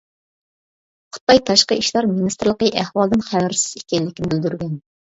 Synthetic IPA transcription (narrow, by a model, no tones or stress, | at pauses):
χʰʊ̥t̪̚ɑjt̪ʰɑʃqəiʃlˠɑɾminist̪ɾlˠəqəʔæhwɑlˠd̪ɨnχæwɾsɪ̥z̥ikʲɛlːɪkʲːɪnbɪld̪yɾɡʲɛn